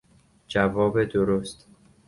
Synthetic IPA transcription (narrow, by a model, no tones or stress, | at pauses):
d͡ʒævɒːbed̪oɾost̪